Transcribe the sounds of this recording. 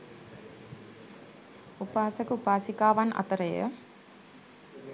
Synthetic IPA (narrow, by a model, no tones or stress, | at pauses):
upaːsəkəupaːsikaːʋanʔa̰t̪əɾəjə̰